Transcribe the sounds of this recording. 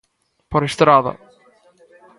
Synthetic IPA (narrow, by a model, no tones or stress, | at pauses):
pɔɾɪst̪ɾaːða̰